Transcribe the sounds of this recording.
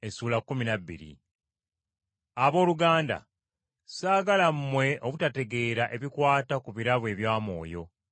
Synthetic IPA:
esuːlakːuminabːḭɾḭ | aβo̞ːluɡaːnda̰ | saːɡalammwe̞ʔo̞βutate̞ɡe̞ːɾaʔe̞βikwaːtakuβiɾaβwe̞ːβjaːmo̞̰ːjo̞

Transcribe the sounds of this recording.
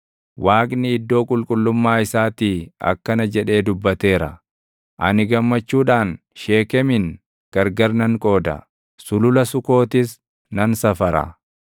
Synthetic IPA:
wʔaːkʼnɪɪd̪ːo̞ːkʼʊlkʼʊlːʊmːaːɪsaːt̪iːɐ̰kːɐnɐd͡ʒɛᶑe̞ːd̪ʊbːɐt̪e̞ːɾɐ̰ | ʔɐnɪɡɐmːɐt͡ʃːuːᶑaːn | ʃe̞ːkɛmɪn | ɡ̥ɐɾɡɐɾnɐŋkʼo̞ːd̪ɐ̰ | sʊlʊlɐsʊko̞ːt̪ɪs | nɐnsɐfɐɾɐ̰

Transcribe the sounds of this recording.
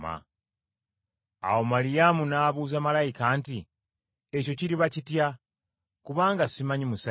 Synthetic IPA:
a̰ | a̰wo̞malijamunaːβuːzamalajikanti | eco̞ciɾiβacitja | kuβaːŋɡasimaɲimusa

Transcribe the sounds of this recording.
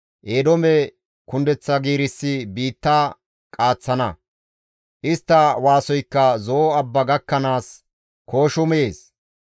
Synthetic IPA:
ʔeːd̪ɔmɛ | kʊnd̪ɛt͡sːɐɡiːɾɪsːɪbiːt̪ːa | kʼaːt͡sːɐnɐ̰ | ʔɪst̪ːɐwaːsɔjkːɐzoɐbːɐɡɐkːɐnaːs | ko̞ːʃʊmeeːs

